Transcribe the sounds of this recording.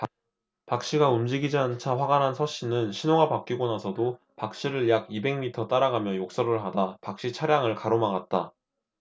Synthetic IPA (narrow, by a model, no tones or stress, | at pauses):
pak̚ɕ͈iɡaumd͡ʑiɡid͡ʑiant͡ɕʰaɸwaɡanɦansʰʌɕ͈inɯnɕʰinoɡapak̚k͈iɡonasʰʌdo | pak̚ɕ͈iɾɯɭjaɡibe̞ŋmitʰʌt͈aɾaɡamjʌjok̚s͈ʌɾɯɭɦadapak̚ɕ͈it͡ɕʰaɾjaŋɯɭkaɾomaɡat̚t͈a